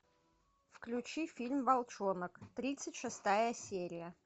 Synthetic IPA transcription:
fklʲʉt͡ɕifʲilʲmvɐlˠt͡ʃonəkt̪ɾʲit̪sɨtʲʂɨst̪ajəsʲeɾʲɪjə

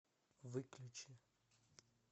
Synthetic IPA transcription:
vɨklʲut͡ɕɪ

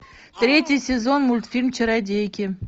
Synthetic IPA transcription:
t̪ɾʲetʲijsʲɪzonmulʲt̪fʲilʲmt͡ɕʰəɾad̪ʲekʲɪ

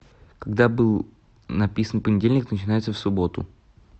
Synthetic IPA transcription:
kaɡd̪abɨlˠ | nɐpʲisənpənʲɪdʲelʲnʲɪknət͡ɕɪnajɪt̪səfsʊbo̞t̪ʊ̰

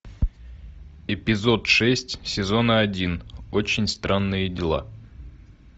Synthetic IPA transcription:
ɪpʲɪzo̞t̪ʂɛsʲtʲsʲɪzo̞nəɐdʲinot͡ɕɪnʲst̪ɾʔanːɨjədʲɪlˠa̰

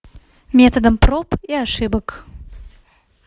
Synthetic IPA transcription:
mʲɛt̪ɐd̪ɐmprɔpiaʂɨbɐk

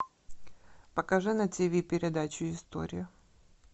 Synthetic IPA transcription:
pɐkɐʐɨnɐtʲevʲipʲɪɾʲɪd̪at͡ɕʊɪst̪o̰ɾʲɪjʊ

